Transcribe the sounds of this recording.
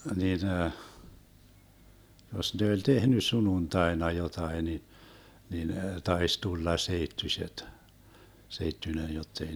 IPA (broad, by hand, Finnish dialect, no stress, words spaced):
nin jos ne olʲ tehny sununtɑenɑ jotɑi ni nin tɑis tulːɑ seitːysʲet seitːynʲen jotːei